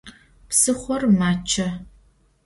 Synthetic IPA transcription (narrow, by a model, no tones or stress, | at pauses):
psɨχʷɔrmaːt͡ʃʰɐ